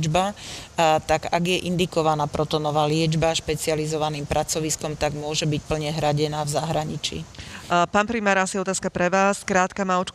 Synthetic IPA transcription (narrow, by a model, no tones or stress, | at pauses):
d͡ʒba | t̪aɡaɡjɛʔind̪ikɔʋanaːpɾɔt̪ɔnɔʋaːlɪɛd͡ʒbaʃpɛt͡sializɔʋaniːmpɾʔat͡sɔʋiskɔmt̪aɡmʊɔʒɛbic̚pl̩ɲɛɦɾaɟɛnaːvzaɦɾaɲit͡ʃḭːpaːnpɾimaːɾasiɔt̪aːskapɾɛʋaːskɾaːt̪kamaɔt͡ʃk